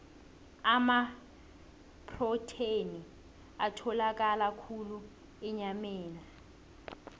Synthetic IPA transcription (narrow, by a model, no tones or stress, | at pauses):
ama | pʰʼrɔtʰeni | atʰɔlak̬ʼalakʰulu | ɛɲamɛːna